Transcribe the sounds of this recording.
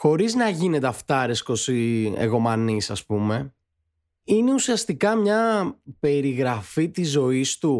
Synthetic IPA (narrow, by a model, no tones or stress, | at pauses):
xo̞ɾiznɐʝine̞t̪eɐft̪ɐɾesko̞siḛɣo̞mɐnisɐspume̞ | ine̞usiɐst̪ikɐmɲɐpe̞ɾiɣɾɐfit̪izo̞ist̪u